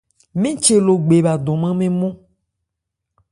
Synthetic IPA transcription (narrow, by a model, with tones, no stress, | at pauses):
mĩ˦t͡ʃe˨lo˨ɡ͡be˨ba˨d̪ɔ̃˨mã˦mẽ˦mõ˦